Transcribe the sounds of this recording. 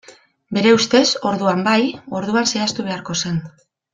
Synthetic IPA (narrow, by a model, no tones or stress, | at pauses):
be̞ɾe̞ust̪e̞so̞ɾðuambajo̞ɾðuanse̞ast̪uβe̞aɾko̞se̞n